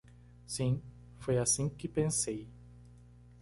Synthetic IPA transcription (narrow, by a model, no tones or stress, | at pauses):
sĩ | fojasĩkɪpẽsej